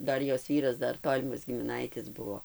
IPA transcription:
ˈdɐr ˈjoːs ˈʋʲiːrɐs ˈdɐr ˈtoːlʲɪmɐs ɡʲɪmʲɪˈnɐɪtʲɪs ˈbʊʋoː

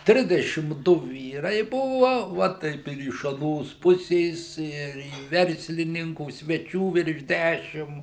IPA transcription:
ˈtʲrʲɪzʲdʲɛʃʲɪm ˈdʊ ˈʋʲiːrɐɪ ˈbʊʋɐ ˈʋɐ tɐɪp ɪr ɪʃ ɐˈnoːs ˈpʊsʲeːs ˈɪr iː ˈʋʲɛrʲsʲlʲɪnʲɪŋkuː sʲʋʲɛˈt͡ʃʲuː ʋʲɪrʃ ˈdʲæʃʲɪm

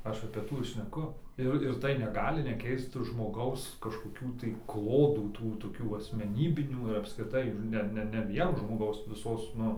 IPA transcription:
ˈɐʃ ɐpʲeː ˈtuː ɪr ʃʲnʲɛˈkʊ ˈɪr ɪr tɐɪ nʲɛˈɡɑːlʲɪ nʲɛˈkʲɛɪst ʒmoːˈɡɐʊs kɐʃkoːˈkʲuː tɐɪ ˈklˠoːduː ˈtuː toːˈkʲuː ɐsʲmʲɛˈnʲiːbʲɪnʲuː ɪr ɐpskrʲɪˈtɐɪ ˈnʲɛ ˈnʲɛ nʲɛ ˈʋʲiɛn ʒmoːˈɡɐʊs ʋʲɪˈsoːs ˈnʊ

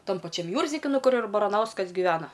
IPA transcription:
ˈtɐm pɐˈt͡ʃʲɛm ˈjuːrʲzʲdʲɪkʲɪ ˈnʊ ˈkʊr ɪr bɐrɐˈnɐʊskɐs ɡʲɪˈʋʲæːnɐ

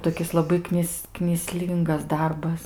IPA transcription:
toːˈkʲɪs lˠɐˈbɐɪ ˈknʲɪs knʲiːˈsʲlʲiːŋɡɐs ˈdɐrbɐs

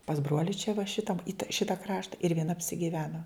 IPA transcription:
pɐs ˈbruɔlʲɪ t͡ʃʲɛ ʋɐ ˈʃʲɪtɐm ɪt ˈʃʲɪtɐ ˈkrɑːʃtɐ ɪr ʋʲiɛˈnɐ ɐpʲsʲɪɡʲɪˈʋʲæːnoː

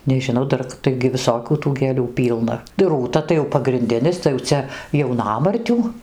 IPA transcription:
nʲɛʒʲɪnˈɐʊ ˈdɐr ˈtɐɪɡʲɪ ʋʲɪˈsoːkʲuː tuː ɡʲeːˈlʲuː ˈpʲiːlˠnɐ ˈruːtɐ tɐɪ jɛʊ pɐɡrʲɪnʲˈdʲɪnʲɪs tɐɪ jɛʊ ˈt͡sʲɛ jɛʊˈnɑːmɐrʲtʲuː

